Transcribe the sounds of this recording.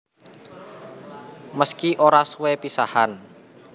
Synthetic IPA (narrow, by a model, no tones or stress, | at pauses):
məskiʔoɾasuwɛpisahan